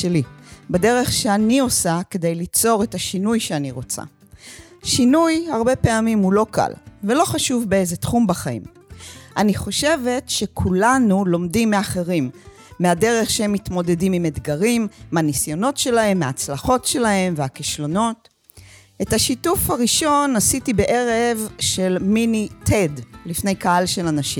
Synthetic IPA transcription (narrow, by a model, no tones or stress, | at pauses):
elibede̞ʁe̞χʃeanio̞sake̞dejlit͡so̞ʁe̞taʃinujʃeaniʁo̞t͡sa̰ | ʃinujhaʁbe̞peamimulo̞ka̰lvelo̞χaʃuvbeejzetχumbaχaḭm | ʔaniχo̞ʃe̞ve̞tʃekʰulanulo̞mdimːeaχe̞ʁimː | eade̞ʁe̞χʃehemːitmo̞de̞dimimed̪ɡaʁimmanisjo̞no̞tʃe̞lahe̞mːaːt͡slaχo̞tʃe̞lae̞mveakiʃlo̞no̞t | ʔetaʃitufhaʁiʃo̞nasitibe̞ʔe̞ʁevʃe̞lminitʰedlifnejkahalʃe̞lanaʃim